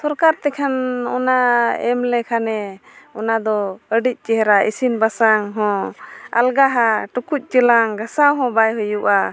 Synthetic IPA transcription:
sɔɾkaɾt̪ɛkʰanɔ̰naɛmlɛkʰanɛɔnad̪ɔəɖic̚ˀt͡ʃɛɦɛɾaḭsinbasaŋɦɔ̃a̰lɡaɦaʈukuc̪̚ˀt͡ʃəlaŋɡasawɦɔ̃bajɦujuʔa

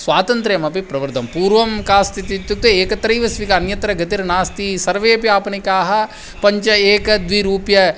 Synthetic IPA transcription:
sʋaːt̪ɐnt̪ɾeːmɐpipɾɐʋɐɾd̪ʱɐmpuːɾʋɐmkaːst̪ʰit̪it̪juk̚t̪ɐeːkɐt̪ɾɐjʋɐsʋikɐɐnjɐt̪ɾɐɡɐt̪iɾnaːst̪isɐɾʋeːɐpijaːpɐnikaːɦɐ̆ | pɐɲt͡ʃɐeːkɐd̪ʋiɾuːpjɐ

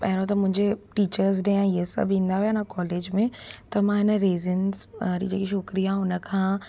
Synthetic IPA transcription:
pɛɦɪ̃ɾot̪ɐmʊ̃ɦɪ̃ɲd͡ʑeʈiːt͡ɕəɾz̬ɖeãɪɦesɐ̰bʱĩːnd̪aɦujaɪnakɔːleːd͡ʑmẽt̪ɐmãɦɪnəɾeːzənsɾḭ̃d͡ʑeːkiʃʊkɾijaʊnə̆kʰãː

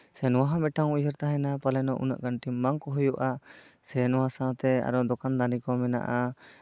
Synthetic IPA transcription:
sɛnɔwaɦamɛʈaŋuud͡ʒəɾt̪aɦɛnapalɛnɔʔṵna̰ʔɡaɳʈimːaŋkɔɦujuʔasɛnɔwasat̪ɛa̰ɾɔd̪ɔkand̪anikɔmɛna̰ʔa

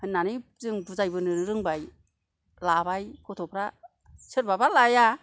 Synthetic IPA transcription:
hɯnːanɯjzɯŋbɯzajbɯnɯɾɯɾɯŋbaj | labajkʰɔtʰɔpʰɾa | sɯɾbabalaja

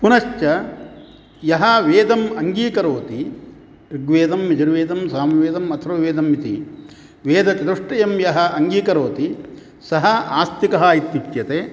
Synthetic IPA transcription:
punɐʃt͡ʃɐ | jɐɦɐʋeːd̪ɐmɐŋɡiːkɐɾoːt̪i | iɡʋeːd̪ɐmʋid͡ʒɐɾʋeːd̪ɐmsaːmʋeːd̪ɐmɐt̪ʰɾɐʋeːd̪ɐmːit̪ḭ | ʋeːd̪ɐt̪id̪uʂʈɐjɐmjɐɦɐ̆ɐŋɡiːkɐɾoːt̪i | sɐɦɐaːst̪ikɐɦɐit̪ːipjɐt̪eː

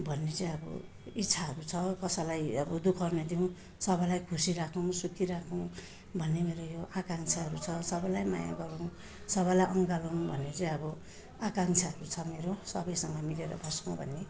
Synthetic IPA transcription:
bʱʌnːet͡sʌĩʌbʌ̰ | itːt͡sʰaʌɾut͡sʰʌkʌsalajʌbʌd̪ukʰʌrnʌd̪iw̃ | sʌbʌjlajkʰusiɾakʰow̃sukʰiɾakʰõw̃ | bʱʌnːemeɾojoʔakaŋt͡sʰaɦʌɾut͡sʰʌsʌbʌjlajma̰ja̰ɡʌɾõw̃ | sʌβʌjlajʔʌŋɡalow̃bʱʌnːet͡sʌĩʌbʌ | akaŋt͡sʰaɦʌɾut͡sʰʌmeɾosʌbʌjsʌŋɡʌmileɾʌ̰bʱʌrskõw̃bʱʌ̰nːe

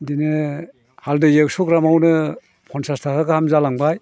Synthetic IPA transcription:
dinɯ | haldɯjeksɔkɾamawnɯ | pʰɔnsastʰakʰakahamzalaŋbaj

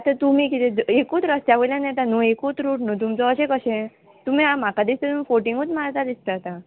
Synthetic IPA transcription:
at̪ət̪umĩkit̪ẽdekuːt̪ɾəst̪aʋəlãnjɛt̪anuekut̪ɾuʈnũt̪̬umt͡sɔəɕẽkəɕẽ | t̪um̤ĩamakad̪ist̪ət̪umifoʈiŋɡut̪maɾt̪ad̪ist̪əɦət̪a

